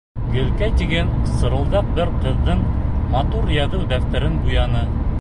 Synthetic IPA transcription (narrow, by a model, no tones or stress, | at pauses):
ɡɘ̆lkæt̪iɡænsɤ̆ɾɤ̆lˠd̪ɑq̚bɘɾqɤ̆ðːɤɴmɑt̪uɾjɑðɤwd̪æft̪æɾɘnbujɑnɤ